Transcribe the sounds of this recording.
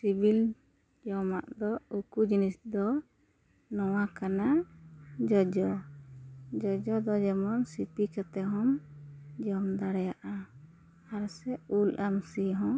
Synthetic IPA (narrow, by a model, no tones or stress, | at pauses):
sibil | d͡ʒɔmaʔd̪ɔukud͡ʒinisd̪ɔ | nɔwakana | d͡ʒɔd͡ʒɔ | d͡ʒɔd͡ʒɔd̪ɔd͡ʒɛmɔnsipikat̪ɛɦɔmd͡ʒɔmd̪aɽɛjaʔa | aɾsɛulʔamsiɦɔ̃